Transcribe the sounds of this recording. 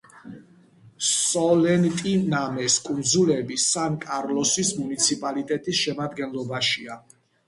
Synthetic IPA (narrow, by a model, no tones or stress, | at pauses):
ssɔlɛnt̪ʼinamɛskʼund̪zulɛbisankʼaɾlɔsismunit̪sʰipʼalit̪ʼɛt̪ʼisʃɛmad̪ɡɛnlˠɔbaʃia